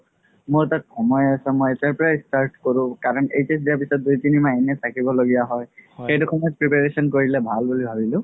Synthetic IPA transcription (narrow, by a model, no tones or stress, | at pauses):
moɹtat̚xɔmɔjasɛmɔjɛtaɹpɔɹaistaɹtkoɹʊ̃kaɹɔnejtes̬diaɹpisɔt̚dujtinimaɛnɛtʰakibɔloɡijaɦɔjxejtuxɔmɔjɔpɹipaɹesɔnkoɹilɛbʱalbulibʱabilʊ̃